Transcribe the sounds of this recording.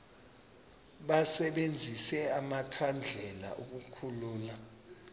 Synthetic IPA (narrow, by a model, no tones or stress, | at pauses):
ɓasɛɓend͡zʱisɛamakʰand͡ɮʱɛla̰ʔuk̬ukʰuluːla